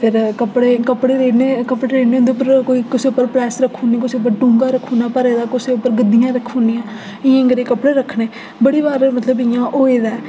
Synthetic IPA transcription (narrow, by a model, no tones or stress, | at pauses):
pʰɪɾkəpːɽeːkəpɽeːɾeːɽneːkəpɽeːɾeːɽneːɦʊ̃nd̪eːʊp̬ːəɾkoːiːkɪseːʊpːəɾpɾɛːsɾəkʰːoːnikɪseːʊp̬ːəɾʈũːŋɡaːɾəkʰːoːnaːpəɾeːd̪aːkʊseːʊpːəɾɡəd̪ːijãːɾəkʰːõːnijãː | ɪjãːɡəɾeːkəpɽeːɾəkʰːɳeː | bəɽiːbaːɾmət̪ləbɪjãːʔoːeːd̪aː